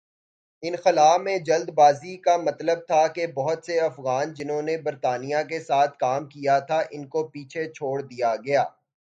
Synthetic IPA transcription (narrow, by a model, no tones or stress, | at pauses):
ɪnxɪlaːfmẽd͡ʒɐld̪baːzikamɐt̪ləb̚t̪ʰakebɐɦʊt̪seɐfɣaːnd͡ʒɪnɦõnebɐɾt̪aːnijak̬esaːt̪ʰkaːmkijat̪ʰaʔɪnkopiːt͡ʃʰet͡ʃʰoːɽd̪ijaɡɐjaː